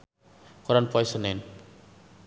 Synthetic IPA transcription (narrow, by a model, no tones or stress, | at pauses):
kɔɾanpɔjsɔnen